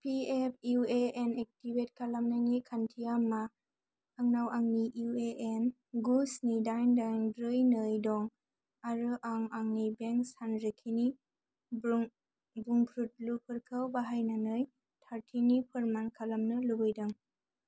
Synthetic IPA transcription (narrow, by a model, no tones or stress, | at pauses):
pʰiepʰueenek̚tibet̚kʰalamnanikʰantʰijamaː | ŋnawʔaŋniʔueʔen | ɡusnidajndajnbɾɯjnɯjdɔŋ | aɾɯʔaŋaŋnibeŋksanɾɯkʰini | buŋkʰɾut̚lupʰɯɾkʰawbaɦajnanɯj | tʰaɾtʰinipʰɯɾmankʰalamnɯlubɯjdaŋ